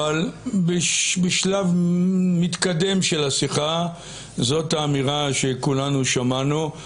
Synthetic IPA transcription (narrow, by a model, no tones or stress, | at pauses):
albebeʃlavmit̪kad̪e̞mʃelasiχa | zo̞taːmiʁaʃe̞kulanuʃamanu